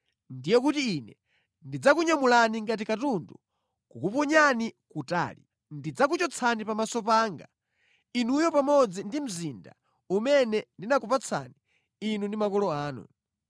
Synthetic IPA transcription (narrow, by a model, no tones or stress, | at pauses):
ndijɔk̬utiinɛ | ndid͡zak̬uɲamulaniŋɡat̬ikatundu | kukupɔɲanikuta̰ːli | ndid͡zak̬ut͡ʃɔt͡sʰanipamasɔpaːŋɡa̰ | inujɔpamɔd͡zindim̩zinda̰ | umɛnɛndinakupat͡sʰa̰ni | inundimakɔlɔaːnṵ